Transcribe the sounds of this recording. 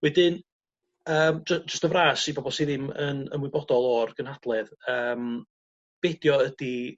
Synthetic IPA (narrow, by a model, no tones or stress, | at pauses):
wɛdɪn | əːmd͡ʒə̥d͡ʒəstəvraːsibɔbɔlˠsiðɪmənə̰nwɪbɔdɔlˠɔrɡ̥ənhad̥lˠɛðəːm | b̥ɛdjɔədi